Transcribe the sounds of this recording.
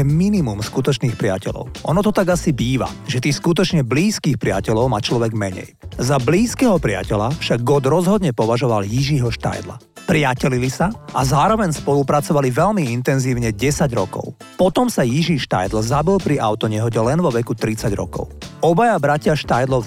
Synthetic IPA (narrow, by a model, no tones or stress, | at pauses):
ɛminimumskut̪ɔt͡ʃniːxpɾɪa̰cɛlɔ̰ʊʔɔ̰nɔt̪ɔt̪aɡasibiːʋa̰ʒɛt̪iːskut̪ɔt͡ʃɲɛbliːskiːxpɾɪa̰cɛlɔʊmaːt͡ʃlɔʋɛɡmɛɲɛ̰jzabliːskɛːɦɔpɾɪa̰cɛlafʃaɡ̚ːɔd̪ɾɔzɦɔd̪ɲɛpɔʋaʒɔʋaljiʒiːɦɔʃt̪a̰jd̪la̰ | pɾɪacɛlilisaʔazaːɾɔʋɛɲspɔlupɾat͡sɔʋaliʋɛʎmiint̪ɛnziːʊɲɛɟɛsaɟɾɔkɔ̰ʊ | pɔt̪ɔmsajiʒiːʃt̪a̰jd̪l̩zabilˠpɾiʔaʊt̪ɔɲɛɦɔɟɛlɛnʋɔʋɛkut̪ɾit͡saɟɾɔ̰kɔ̰ʊɔbajabɾacɪaʃt̪ajd̪lɔ